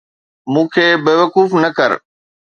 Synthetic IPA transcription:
mũːkʰeːbeːʋəkuːfnəkɐɾ

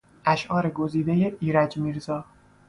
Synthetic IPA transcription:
ʔæʃʔɒːɾe̞ɡo̞ziːd̪ejeʔiːɾæd͡ʒmiːɾzɒː

